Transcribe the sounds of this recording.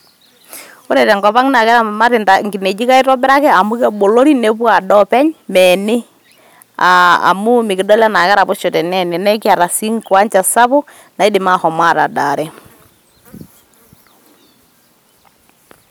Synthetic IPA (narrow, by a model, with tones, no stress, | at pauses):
ʊ˦ɾɛ˨tɛ˨ŋɡɔ˨pa˦ŋna˨kɛ˦ɾa˨ma˦ɾɪ˨nta˨ŋɡɪ˨ne˨d͡ʒɪ˦ka˦ɪ˦tɔ˦bɪ˦ɾa˦kɛ˦a˨mʊ˦kɛ˦bo˨lo˦ɾi˦ne˨˦pwa˨dɔ˦pɛ˦ɲmɛ˨nɪ˦ | a̰ː˨mʊ˦mɪ˨kɪ˨dɔ˦lɛ˦na˨kɛ˦ɾa˨pʊ˦ʃo˨tɛ˨nɛ˨nɪ˨nɛ˦kɪ˦a˨ɾa˨si˦ŋkwa˦ɲt͡ʃa˨sa˦bʊ˦ | na˨ɪ˦dɪ˨ma˦hɔ˨ma˦˨ta̰˨da˨ɾɛ˦